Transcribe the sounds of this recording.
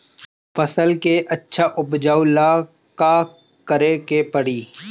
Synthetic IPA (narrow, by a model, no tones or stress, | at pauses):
fɐsəlkeʔɐtːʃʰaʔʊbd͡ʒaːʊla | ka | kəɾekepɐɽiː